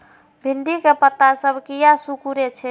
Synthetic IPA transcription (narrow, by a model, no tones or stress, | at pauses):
bʱiɳɖikepət̪ːasəbʱkijasukuɾet͡ʃʰɛ